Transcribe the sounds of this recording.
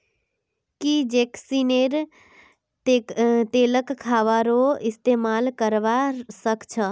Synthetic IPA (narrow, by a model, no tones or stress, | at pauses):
kid͡ʒeksineɾ | et̪eːləkkʰːaʋaɾoɪst̪emaːlkəɾʋasəkt͡ʃʰə